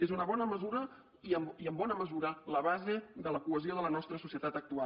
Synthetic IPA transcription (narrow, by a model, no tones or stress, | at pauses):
ezunəβɔnəməzuɾə | iəmiəmbɔnəməzuɾələβ̞azeðələkuəzioðələnɔst̪ɾəsusiət̪at̪ək̚t̪ua